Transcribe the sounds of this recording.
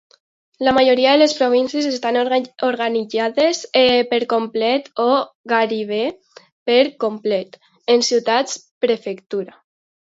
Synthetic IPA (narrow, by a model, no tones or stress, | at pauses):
lamaʒoɾiaðeəlespɾoβ̞insjezest̪anoɾɣanid͡ʒaðesepeɾkomplɛt̪oɣaɾiβ̞e | peɾkomplɛt̪ | ensiwt̪at͡spɾefekt̪uɾa